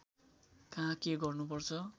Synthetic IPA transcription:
kãkeɡʌrnupʌrt͡sʰʌ

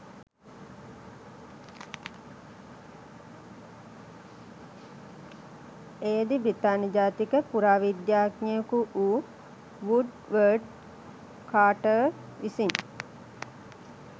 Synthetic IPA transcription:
eːd̪ibɾit̪aːnəd͡ʒaːt̪ikəpuɾaːʋid̪jaːknijəkuʔuː | ʋuɖ | ʋəɖ | kʰaːʈə | ʋisin

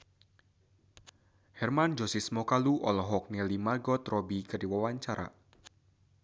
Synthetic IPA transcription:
hɛrmand͡ʒɔsismɔkaluʔɔlɔɦɔk̚nɛlimaɡɔt̪rɔbikɨrdiwawaɲt͡ʃaɾa̰

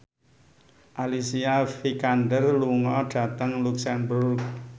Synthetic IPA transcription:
ʔalisiafikandərluŋɔɖ̥ä̤t̪əŋluksɛmbərk

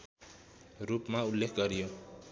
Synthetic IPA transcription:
rupmaulːekʰɡʌɾijo

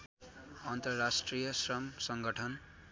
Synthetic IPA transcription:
ʌnt̪ʌrasʈrijʌsrʌmsʌŋɡʌʈʰʌn

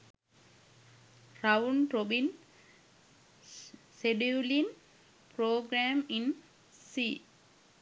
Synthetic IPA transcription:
ɾaʋnɾobin | seɖiulin | pɾoːɡɾæːmin | si

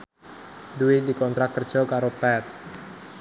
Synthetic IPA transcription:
duwid̪̥i̤kɔnt̪ɾat̚kːərd̥ʒ̥ɔ̤kaɾopɛt̪̚

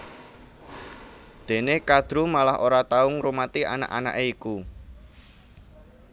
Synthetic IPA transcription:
d̪̥e̤nekad̪̥ɾumalaɦʔoɾat̪aʊŋrumat̪iʔa̰na̰ʔana̰ʔeiku

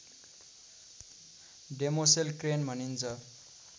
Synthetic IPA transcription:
ɖemoselkrenbʱʌnint͡sʰʌ

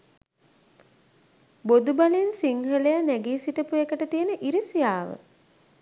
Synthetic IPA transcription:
bod̪ubaleensiŋɦəlejanæɡiːsiʈəpuekəʈət̪ijənəʔiɾisijaːʋə̰

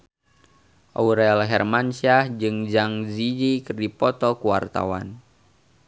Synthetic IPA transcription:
ʔa̰uɾɛɔlɦɛrmansiad͡ʒɨŋd͡ʒaŋzid͡ʒikɨrdipɔt̪ɔkuwa̰rt̪a̰wa̰n

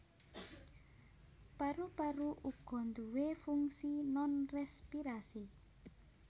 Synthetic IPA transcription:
paɾupaɾuʔuɡ̥ɔ̤nd̪uwefuŋsinɔnrɛspiɾasi

